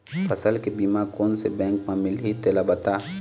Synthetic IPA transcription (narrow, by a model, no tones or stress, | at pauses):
fɐsəlkebiːmakoːnsebɛ̃ːŋkmãmɪlɦit̪elabɐt̪a